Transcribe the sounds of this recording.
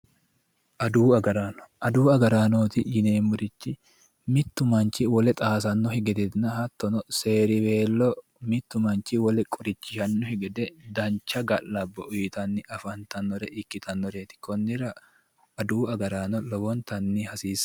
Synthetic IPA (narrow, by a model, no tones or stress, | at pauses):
ʔɐd̪uːɐɡɐɾaːnɔ̥ʔɐd̪uːɐɡɐɾaːnoːt̪ɪjɪne̞ːmʊɾɪt͡ʃːɪ | mɪt̪ːʊmɐnt͡ʃɪwɔlɛt̪ʼaːs̬ɐnːɔhɪɡɛd̪ɛt̪nɐhɐt̪ːɔnɔse̞ːɾɪbe̞ːlːɔ | mɪt̪ːʊmɐnt͡ʃɪwɔlɛkʼʊɾɪt͡ʃːɪʃɐnːɔhɪɡɛd̪ɛd̪ɐnt͡ʃːɐɡɐlːɐbːɔʔʊjɪt̪ɐnːɪʔɐfɐnt̪ɐnːɔɾɛʔɪkːɪt̪ʰɐnːɔɾet̪ɪ̥kɔnːɪɾɐː | d̪uːɐɡɐɾaːnɔlɔbɔnt̪ɐnːihɐsiːs